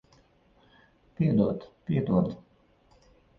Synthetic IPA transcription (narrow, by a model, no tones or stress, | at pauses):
piɛd̪uɔt̪pʲiɛd̪uɔt̪